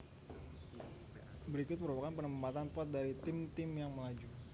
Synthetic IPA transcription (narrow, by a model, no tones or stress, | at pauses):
bəɾikʊt̪̚məɾupakanpənəmpat̪anpat̪̚daɾit̪ɪmt̪ɪmjaŋməlad͡ʒu